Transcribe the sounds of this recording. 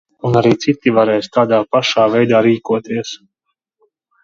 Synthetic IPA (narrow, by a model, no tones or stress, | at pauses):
unaɾiːt̪sit̪ːivaɾɛjst̪aːd̪aːpaʃaːvɛjd̪aːɾiːkuɔt̪iɛs